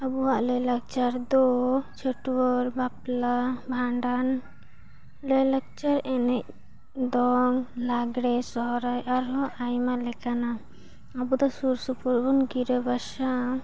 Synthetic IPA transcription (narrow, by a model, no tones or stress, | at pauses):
əbuwaʔlələk̚t͡ʃaɾd̪ɔt͡ʃʰəʈuwɔɾbaplabʱaɳɖan | ləjlək̚t͡ʃaɾɛnɛc̚ | d̪ɔŋlaɡɽɛsɔɦɔɾajaɾɦɔ̃ʔajmalɛkana | abud̪ɔsuɾsupuɾbunɡiɾəbaʃa